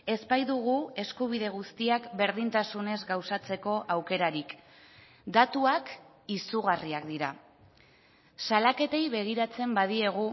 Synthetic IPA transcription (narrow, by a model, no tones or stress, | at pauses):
e̞zpajðuɣ̞ue̞skuβ̞iðe̞ɣ̞ust̪iakbe̞ɾð̞int̪asune̞zɡawsat͡se̞ko̞ʔawke̞ɾaɾik | d̪at̪uak | isuɣ̞ariakd̪iɾa | salake̞t̪e̞jβe̞ɣ̞iɾat͡se̞mbaðie̞ɣ̞u